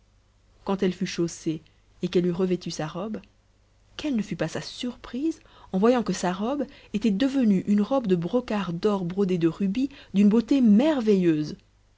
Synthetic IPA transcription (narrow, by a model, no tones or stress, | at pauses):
kɑ̃t̪ɛlfyʃose | ekɛlyʁəvɛt̪ysaʁɔb | kɛlnəfypasasyʁpχiz | ɑ̃vwajɑ̃kəsaʁɔb | et̪ɛd̪əvənyʔynʁɔbd̪əbʁɔkaʁd̪ɔʁbʁod̪ed̪əʁybid̪ynbot̪emɛʁvejøːz